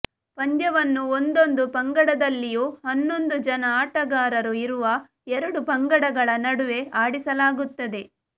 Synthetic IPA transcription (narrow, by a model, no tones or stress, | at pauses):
pɐɲd̪jɐʋɐnːuond̪o̞nd̪upɐŋɡɐɽɐd̪ɐlːijuːhɐnːo̞nd̪ud͡ʒɐnɐaːʈɐɡaːɾɐɾuiɾuʋɐ | ɛɾɐɽupɐŋɡɐɽɐɡɐɭɐnɐɽuʋe̞ʔaːɽisɐlaːɡut̪ːɐd̪e̞